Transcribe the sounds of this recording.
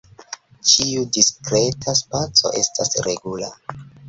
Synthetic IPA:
t͡ʃiudiskɾetʰaspat͡so̞̰ʔe̞stʰasɾeɡula

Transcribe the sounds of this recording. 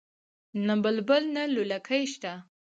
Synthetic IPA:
nambəlbəlnalulakʰəjʃt̪a

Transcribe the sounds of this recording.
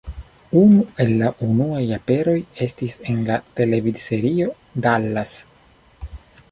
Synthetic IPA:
unue̞lːaʔunuajape̞ɾo̞je̞stise̞nlate̞le̞vidse̞ɾio̞ | dalːas

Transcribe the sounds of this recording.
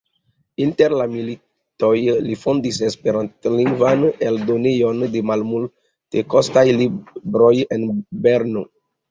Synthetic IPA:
inteɾlamili | tojlifondisespeɾantliŋɡvaneldonejondemalmul | tekostajlibɾojenbeɾno

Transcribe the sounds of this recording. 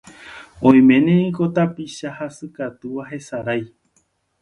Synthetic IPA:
õj̃mẽ̞nẽĩko̞t̪apiʃahasɨkat̪uʋaɦe̞saɾaj

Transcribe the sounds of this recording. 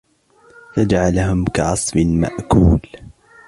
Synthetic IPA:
fad͡ʒaʕalaɦʊmkaʕɑsˤbɪma̰ʔkuːl

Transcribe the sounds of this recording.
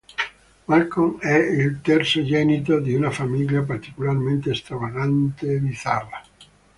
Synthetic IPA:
malkoŋɛilt̪ɛrsod͡ʒɛnit̪od̪iunafamiʎjap̬art̪i̥kularment̪est̪ɾavaɣant̪ed̪iθara

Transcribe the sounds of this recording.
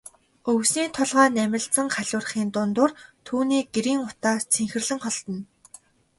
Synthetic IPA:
ɵwsniːt̪ʰʊɮʁaːnæmʲɪ̆ɮt͡sə̆ŋχaɮʲʊːrχiːnt̪ʊnt̪ʊːrt̪ʰuːniːɡeɾiːŋʊt̪aːt͡sʰeŋxɘ̆rɮɘ̆ŋχɔɮt̪ɞ̆n

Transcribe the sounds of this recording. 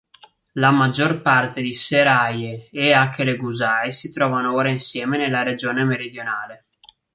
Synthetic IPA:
lamad͡ʒːorpart̪ed̪iseɾajeeaŋk̟ːeleɡuzaesit̪ɾɔːvanooːɾainsjɛːmenelːaɾed͡ʒoːnemeɾid̪jonaːle

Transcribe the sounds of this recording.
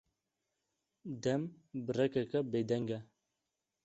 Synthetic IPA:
d̪ɛm | bɨrɛkɛkɛbeːd̪ɛŋɡɛ

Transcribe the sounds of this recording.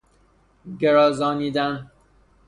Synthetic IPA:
ɡeɾɒːzɒːniːd̪æn

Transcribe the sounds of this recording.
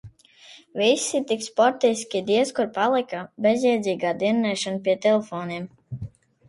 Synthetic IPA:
visʲit̪ikspɔɾt̪ɛjsʲkʲid̪iɛskuɾpalˠikabezʲjɛjd̪zʲiːɡaːd̪innɛjʃanpiɛt̪ɛlefɔːniɛm

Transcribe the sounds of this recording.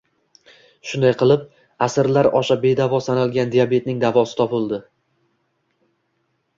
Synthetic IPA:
ʃʊnd̪ajqʰɨlˠɪp̚ | asɪɾlaɾɒʃabe̞d̪avɒsanalˠɡʲand̪ijabe̞t̪̚nɪŋd̪avɒsɪ̥t̪ʰɒpɪlˠd̪ɪ

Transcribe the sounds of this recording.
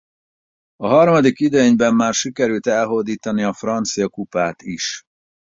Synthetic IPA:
ɒɦɒrmɒd̪ikid̪øɲbɛmːaːrʃikɛɾylt̪ɛlɦoːd̪iːt̪ɒniɒfrɒnt̪sijɒkupaːt̪iʃ

